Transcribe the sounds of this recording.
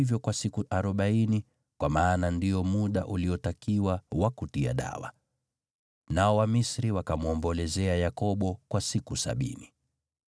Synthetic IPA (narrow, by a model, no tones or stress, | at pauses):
ivjɔkwasikuʔaɾɔɓaini | kwamaːnandiɔmuɗaʔuliɔtakiwawakutia̰ɗa̰wa̰ | naɔwamisɾiwakamuɔmbɔlɛzɛajakɔɓɔkwasikusa̰ɓḭni